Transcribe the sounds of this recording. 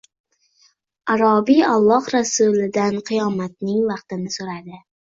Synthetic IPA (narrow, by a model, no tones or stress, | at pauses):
aɾɒbialˠːɒhɾasʊlɪd̪anqʰɨjɒmat̪̚nɪŋvɑqt̪ɪnɪsoɾad̪ɪ